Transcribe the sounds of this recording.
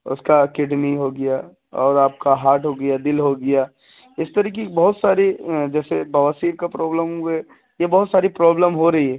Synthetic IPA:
ʊ̰skakɪɖniɦoɡɐjaː | ɔːɾaːp̚kaɦaːʈɦoɡɐjad̪ɪlɦoɡɐjaː | ɪst̪ɐɾiːk̬ebɐɦʊt̪saːɾid͡ʒɛːsebɐʋaːsiːɾkapɾɔːbləmɦuɛ | jebɔɦʊt̪saːɾipɾɔːbləmɦoɾɐɦiɦɛː

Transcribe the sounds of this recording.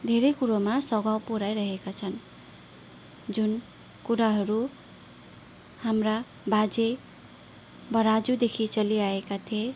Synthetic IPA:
d̪ʱeɾejkuɾomasʌɡawpuɾajɾʌɦekat͡sʰʌn | d͡zun | kuɾaɦʌɾu | hamra | bad͡ze | bʌɾad͡zud̪ekʰit͡sʌliaekat̪ʰie

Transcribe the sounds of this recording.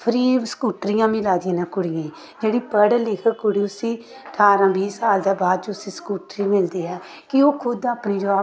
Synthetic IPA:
pʰəɾiːsə̥kuːʈɾijãːmɪlaːd̪ijãːnãːkʊɽijãː | d͡ʒeːɽiːpəɽlɪkʰəkʊɽiːʊsĩː | ʈʰaːɾãːbiːsaːld̪aːbaːd̪d͡ʒʊsĩːsə̥kuːʈɾiːmɪld̪iːɛː | kɪoːkʰʊd̪aːpniːd͡ʒoa

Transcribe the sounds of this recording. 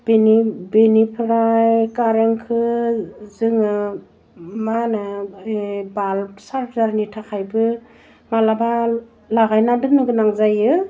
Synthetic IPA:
b̥enibenipʰɾajkaɾeŋkʰɯ | zɯŋɯ | manɯ | balsaɾpʰzaɾnitʰakʰajbɯ | malaba | laɡajnadɯŋnɯɡɯnaŋzajɯ

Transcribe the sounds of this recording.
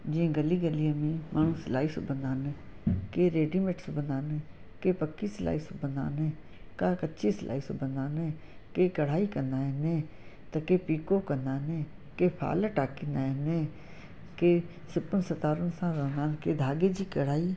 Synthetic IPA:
d͡ʒiẽɡəliːɡəliːəmĩmaːnũslaːiso̰bənd̪aːne | keːɾeːɖimeʈsbənd̪aːne | keːpəkːisla̰ːiːsobənd̪a̰ːne | kaːkətːʃʰiːslʔa̰ːiːsobənd̪aːneː | keːkəɽ̤aːiːkənd̪aːeneː | t̪ɐkeːpiːkoːkənd̪aːneː | keːpʰa̰ːləʈaːkinaːneː | keː | sɪpənsət̪aːɾənsãːɾə̃nd̪aːnkeːd̪ʱaːɡeːd͡ʒiːkəɽ̤aːiː

